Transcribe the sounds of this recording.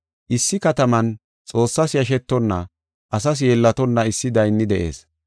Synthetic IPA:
ʔɪsːɪkɐt̪ɐmɐn | t͡sʼo̞ːsːɐsjɐʃ̬ɛt̪ːɔnːɐ̰ | ʔɐs̬ɐs̬jeːlːɐt̪ɔnːɐɪsːɪd̪ɐjnːɪd̪ɛʔe̞̰ːs

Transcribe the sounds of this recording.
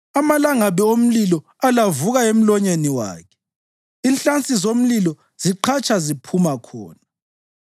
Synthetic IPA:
amalaŋaβɛom̩lilɔ | alavuɣaem̩lɔɲeniwa̰ːkʰɛ̥ | inɬant͡sʼizom̩lilɔ | z̥iǃʰat͡ʃʼazipʰumakʰɔ̰ːna

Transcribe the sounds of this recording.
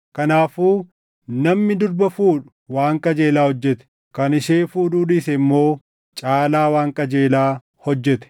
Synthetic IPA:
kɐnaːfuː | nɐmnɪd̪ʊɾbɐfuːᶑʊ̥ | waːŋkʼɐd͡ʒe̞ːlaːhɔd͡ʒːɛt̪ɛ̥ | kɐnɪʃeːfuːᶑuːᶑɪsɛɪmːo̞ː | t͡ʃʼaːlaːwaːŋkʼɐd͡ʒeːlaː | hɔd͡ʒːɛt̪ɛ̥

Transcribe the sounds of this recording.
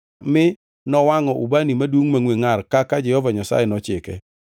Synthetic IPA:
mɪ | nɔwaŋɔʔubanimadwoŋmaŋweŋarkakad͡ʒɛhɔvaɲasa̰jɛnɔt͡ʃɪkɛ̰

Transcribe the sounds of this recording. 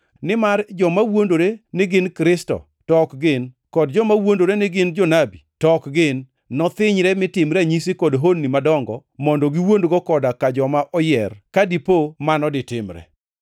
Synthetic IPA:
nɪmard͡ʒɔmawondoɾenɪɡɪnkɾɪstɔ̰ | tɔkɡɪn | kɔdd͡ʒɔmawondoɾenɪɡɪnd͡ʒɔnabitɔkɡɪnː | ɔt̪ɪɲɾɛmɪtɪmɾaɲisikɔdɦonːimadɔŋɡɔ̰mɔndɔɡɪwondɡɔkɔdakad͡ʒɔmaʔɔjɛrkadipomanɔdɪtɪmɾɛ̰

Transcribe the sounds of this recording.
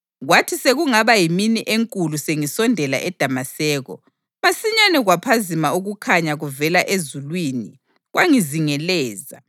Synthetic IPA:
ɣwatʰiseɣuŋaβajiminiʔeŋkʼuluseŋisɔndʱɛla̰ʔɛd̥ʱamasɛːɣɔ̰ | masiɲanɛɣwapʰazimauɣukʰaɲaɣuvɛlaʔezulwiːni | ɣwʔaŋiziŋɛlɛːza̰

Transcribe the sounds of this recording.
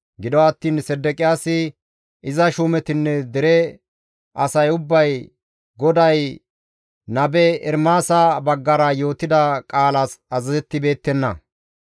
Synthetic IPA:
ɡɪd̪ɔɐt̪ːiːnsɛd̪ːɛkʼɪjaːsɪ | ʔɪzɐʃumɛt̪ɪnːɛd̪ɛɾɛ | ɐsɐjʊbːɐj | ɡɔd̪ɐj | nɐbɛɛɾmaːsabɐɡːɐɾɐjo̞ːt̪ɪd̪ɐkʼaːlaːsɐzɐzɛt̪ːɪbe̞ːt̪ːɛnːɐ̰

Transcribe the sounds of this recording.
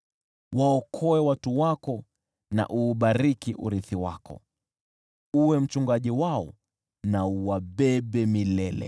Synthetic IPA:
waɔkʰɔɛwatuwakɔ | na̰ʔuːɓaɾikiʔṵɾiθiwa̰kɔ̰ | uwɛm̩t͡ʃuŋɡaʄiwaɔ | nauwaɓɛɓɛmilɛlɛ̰

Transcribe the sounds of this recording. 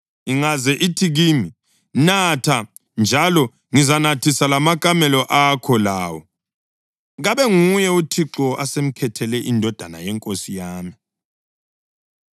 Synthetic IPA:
iŋazɛʔitʰiɣiːmi | natʰa | nd͡ʒʱalɔ | ŋizanatʰisalamakʼamɛlɔʔakʰɔlaːwɔ | ɣaβɛŋujɛutʰiǁɔʔasem̩kʰɛtʰɛlɛʔindʱɔd̥ʱana̰jɛŋkʼosijaːmi

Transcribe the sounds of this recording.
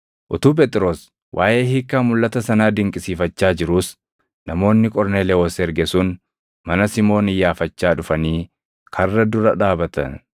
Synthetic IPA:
ʔʊt̪uːp̬eːt̪ʼɪɾo̞ːs | wʔaːʔe̞ːɦiːkːaːmʊlːɐt̪ɐsɐnaːd̪ɪŋkʼɪsiːfɐt͡ʃːaːd͡ʒɪɾuːs | nɐmo̞ːnːɪkʼɔɾneːleːwɔsːɾɡɛsuːn | mɐnɐsɪmo̞ːnɪjːaːfɐt͡ʃːaːᶑʊfɐniː | kʰɐrːɐd̪ʊɾɐᶑaːbɐt̪ɐ̰n

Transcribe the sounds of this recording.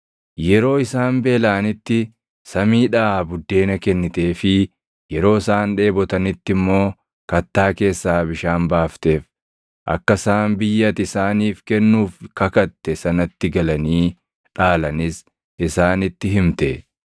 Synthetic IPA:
jɛɾo̞ːɪsaːmbe̞ːlaːnɪt̪ːɪ | sɐmiːᶑaːbʊd̪ːe̞ːnɐkɛnːɪt̪e̞ːfɪ | jɛɾo̞ːɪsaːnᶑe̞ːbɔt̪ɐnɪt̪ːɪmːo̞ː | kɐt̪ːaːke̞ːsːaːbɪʃaːnbaːft̪e̞ːf | ʔɐ̰kːɐsaːmbɪjːɐt̪ɪsaːniːfkɛnːuːfkɐkɐt̪ːɛsɐnɐt̪ːɪɡɐlɐniː | ᶑaːlɐnɪs | ɪsaːnɪt̪ːɪɦɪmt̪ɛ

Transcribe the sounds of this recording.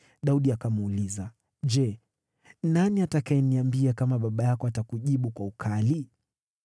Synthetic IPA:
ɗauɗiakamːliza | d͡ʒɛ | naniatakajɛniambiakamaɓaɓajakɔatakuʄiɓukwaukʰali

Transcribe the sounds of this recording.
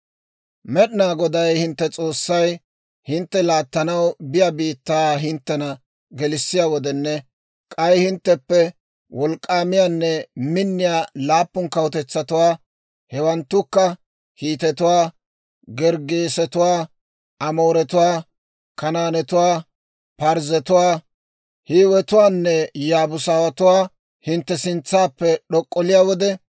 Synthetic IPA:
mɛɗnaːɡɔd̪ɐjhɪnt̪ːɛt͡sʼo̞ːsːɐj | hɪnt̪ːɛlaːt̪ːɐnɐwbɪjabiːt̪ːaːɦɪnt̪ːɛnɐ | ɡɛlɪsːɪjaːwɔd̪ɛnːɛ | kʼɐjhɪnt̪ːɛpːɛ | wʔɔlkʼːaːmɪjaːnːɛmɪnːɪjaːlaːpːʊnkɐwʊt̪ɛt͡sːɐt̪ʊwaː | hɛwɐnt̪ːʊkːɐ | hiːt̪ɛt̪ʊwaː | ɡɛɾɡeːsɛt̪ʊwaː | ʔɐmoːɾɛt̪ʊwaː | kɐnaːnɛt̪ʊwaː | pɐɾzɛt̪ʊwaː | hiːwɛt̪ʊwaːnːɛjaːbʊsaːwɐt̪ʊwaː | hɪnt̪ːɛsɪnt͡sːaːpːɛɗɔkʼːɔlɪjaːwɔd̪ɛ

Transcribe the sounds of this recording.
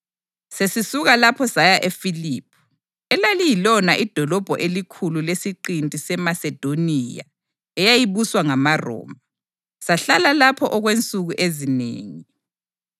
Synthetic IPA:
sesisuɣalapʰɔsajaʔefiliːpʰu̥ | ɛlalijilɔnaʔid̥ʱɔlɔb̥ʱɔʔelikʰululesiǃintʼisɛmasɛd̥ʱonija̰ | ɛjajiβuswaŋamarɔ̰ːma | saɬalalapʰɔʔɔɣwent͡sʼuɣuʔezinḛːŋi

